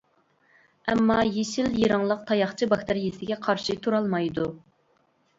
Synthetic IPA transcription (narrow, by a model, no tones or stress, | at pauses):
ɛmːɑjeʃiljiɾɑŋlˠəq̚t̪ʰɑjɑχt͡ʃʰibɑkt̪ɪɾjesɪɡʲɛqʰɑɾʃɨt̪ʰuɾɑlˠmɑjd̪u